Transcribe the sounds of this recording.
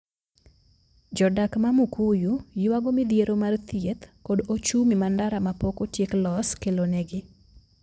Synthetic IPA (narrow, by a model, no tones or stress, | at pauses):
d͡ʒɔdakmamukujujɪwaɡomɪd̪jeɾomart̪jet̪kodot͡ʃumimandaɾamapokotjeklɔskeloneɡɪ